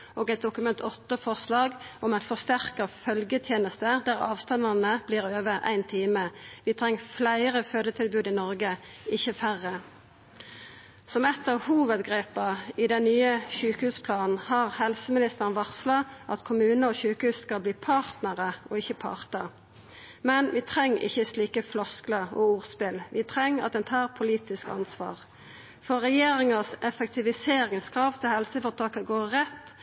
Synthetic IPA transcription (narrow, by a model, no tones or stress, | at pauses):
ʔoːɡæɪt̪̚d̪ʊkʉmɛnt̪ʰɔt̪ːəfɔʁslɑːɡɔmæɪt̪fɔʁst̪æʁkɑfœlɡət̪ʰjeːnəst̪əd̪æːʁɑ̰ːʋst̪ɑnd̪ɑnəb̥liːʁøːʋəæ̰ɪnt̪ʰiːməʋɪːt̪ʰʁɛŋːflæɪʁəføːd̪ət̪ʰɪlbʉːd̪ɪnɔʁɡə | ɪçːəfæʁːə | sɔmɛt̪ːəʁhuːʋəd̪ɡʁeːpɑɪd̪ɛnnyːəçʉːkəhʉːspʰlɑːnn̩hɑːʁhɛlsəmɪnɪst̪əʁnʋɑʁslɑʔɑt̪kʰʊmʉːnəɔːçʉːkəhʉːsskɑlbliːpʰɑːʁt̪nəʁəʔɔɪçːəpʰɑ̰ːʁt̪ə | mɛnʋɪːt̪ʰʁɛŋːɪ̰çəsliːkəflɔskləɔuːʁspɪlʋɪt̪ʰʁɛŋːɑ̰t̪̚d̪ɛnt̪ʰɑːʁpʰʊliːt̪ɪskɑ̰nsʋɑ̰ːʁ | fɔʁɛjeːʁɪŋɑsɛfɛk̚t̪ʰɪʋɪseːɾɪŋskʰʁɑːʋt̪ʰɪlhɛlsəfɔʁt̪ʰɑːkəɡoːʁːɛt̪ː